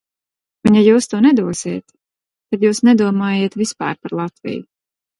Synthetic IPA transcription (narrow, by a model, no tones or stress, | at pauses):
unjajuːst̪uːnɛd̪uɔsiːt̪ | t̪ad̪juːsnɛd̪uɔmaːjeːt̪vispa̰ːɾpaɾlˠat̪vḭju